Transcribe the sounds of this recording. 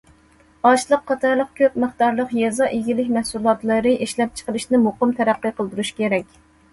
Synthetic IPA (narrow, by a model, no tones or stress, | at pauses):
ɑʃlˠəqʰːɑt̪ʰɑɾlˠəqkʲʰøp̚məχt̪ɑɾlˠəqjɛzɑʔeɡʲilɪkʲmɛhsulˠɑt̪lˠɨɾɨʔeʃlɛp̚t͡ʃʰə̥qəlˠɨʃnɪmoqəmt̪ʰɛɾæqːəqʰəlˠd̪uɾuʃkʲeɾɛkʲ